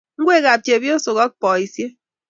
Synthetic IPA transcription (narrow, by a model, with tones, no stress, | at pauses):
ŋ̩˦ɡʷwe˦ɣa˨p̚t͡ʃe˨bjo˦so˨ɣɔ˦k̚pɔ˨i˨sje˦